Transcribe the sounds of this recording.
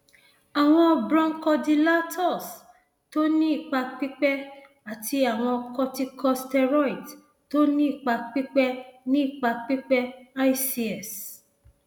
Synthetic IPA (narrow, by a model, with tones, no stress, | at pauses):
a˨w̃ɔ̃˧ɔ˧bɾɔ̃˧ŋ̩kɔ˧di˧la˦tʰɔ˦˨s | to˦nĩ˦i˦˨k͡pa˧k͡pi˦k͡pɛ˦ | a˨tʰi˧a˨w̃ɔ̃˧ɔ˧kɔ˧ti˧kɔ˧stɛ˧ɾɔ˦i˨d | to˦nĩ˦i˦˨k͡pa˧k͡pi˦k͡pɛ˦nĩ˦i˦˨k͡pa˧k͡pi˦k͡pɛ˦a˦i˦si˧ɛ˨s